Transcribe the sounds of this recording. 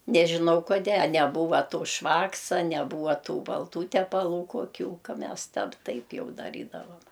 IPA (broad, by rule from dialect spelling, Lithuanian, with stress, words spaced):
nʲɛʒʲɪˈnɐʊ koːˈdʲeː ɐ nʲɛˈbuːʋɐ ˈtoː ˈʃʋɑːksɐ nʲɛˈbuːʋɐ tuː bɐlˠˈtuː tʲɛpɐˈlˠuː koːˈkʲuː ˈkɐ ˈmʲɛs ˈtʲɛp ˈtɐɪp ˈjɛʊ dɐˈrʲiːdɐʋɐm